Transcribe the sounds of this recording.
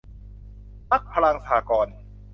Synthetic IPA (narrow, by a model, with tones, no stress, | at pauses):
pa˦˥˩k̚pʰa˧la˧ŋsa˧aː˩˦kɔː˧n